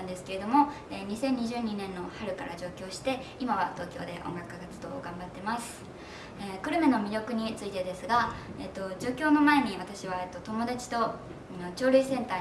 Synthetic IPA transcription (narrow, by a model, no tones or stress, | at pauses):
nd̪e̞sɨ̥ke̞ɾe̞d̪o̞mo̞ | eɲ̟isẽ̞ɲ̟ːiʑɨːɲ̟inẽ̞nːo̞haɾɯ̟kaɾa̰ʑo̞ːkʲo̞ːɕi̥t̪e̞imaβat̪o̞ːkʲo̞̰ːd̪e̞ʔõ̞̰ŋɡakːɯ̟ɡat͡sɨ̥d̪o̞̰ːɡãmbat̪ːe̞masɨ̥ | ekɯ̟ɾɯ̟me̞nomʲiɾʲjo̞kɯ̟ɲ̟it͡sɨit̪e̞d̪e̞sɨɡaet̪ːo̞d͡ʑo̞ːkʲo̞ːno̞mae̞ɲ̟iβ̞at̪aɕiβ̞aet̪ːo̞t̪omo̞d̪at͡ɕi̥t̪o̞ | ot͡ɕo̞ːɾʲɯisẽ̞nt̪aː